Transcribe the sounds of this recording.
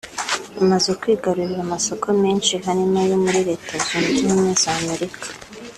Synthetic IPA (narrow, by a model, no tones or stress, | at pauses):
imazekwiːɡaɾuɾiɾamaso̞kʰo̞meːnʃiɦaɾimojo̞muɾiɾe̞ːtʰazuːndijumŋezaːme̞ɾikḁ